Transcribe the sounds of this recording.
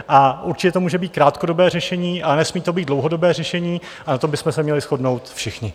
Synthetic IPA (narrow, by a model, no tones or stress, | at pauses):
ʔaʔuɾt͡ʃɪcɛt̪omuːʒɛbiːt̪̚kɾaːt̪ko̞do̞bɛːrɛʃɛɲiːʔanɛsmiːt̪o̞biːd̪dlowɦodo̞bɛːrɛʃɛɲiː | anat̪ombɪsmɛsɛmɲɛlɪsxo̞dno̞wt̪fʃɪxɲɪ